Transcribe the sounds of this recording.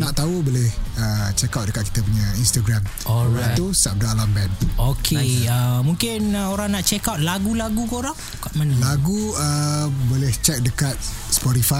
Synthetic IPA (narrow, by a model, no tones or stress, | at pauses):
naʔt̪aubolɛhət͡ʃɛkawt̚dəkat̪̚ki̥t̪ap̬uɲãinst̪aɡɾam | ɔlaat̪usap̚daalambɛnokʰeəmuŋkɪnəoɾaŋnaʔt͡ʃɛkawt̪̚laɡulaɡukoɾaŋ | kaʔmanəlaɡuəbolɛht͡ʃɛk̚dəkat̪̚ | spɔtifa